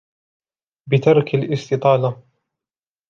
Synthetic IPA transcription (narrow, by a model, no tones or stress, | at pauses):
bɪt̪ɑɾˤkalʔɪst̪ɪt̪ˤɑːla